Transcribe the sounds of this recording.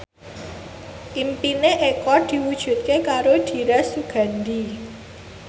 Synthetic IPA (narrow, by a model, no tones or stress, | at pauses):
ʔimpineʔekɔd̪̥i̤wud̥ʒ̥ṳt̪̚kekaɾoɖ̥i̤ɾasuɡ̥a̤nd̪i